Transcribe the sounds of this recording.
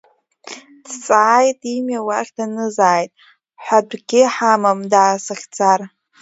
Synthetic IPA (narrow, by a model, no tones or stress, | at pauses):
dʰt͡sʼaːjtʼimjawaχʲdanɨzaːjtʼ | ħʷᶣadʷɡʲɪħamamdaːsɨχʲt͡sʰar